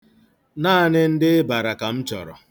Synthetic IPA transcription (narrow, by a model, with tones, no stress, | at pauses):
naː˦nɪ˦n̩˦dɪ˦ɪ˦ba˨ɾa˨ka˨m̩˦t͡ʃɔ̰˨ɾɔ̰˨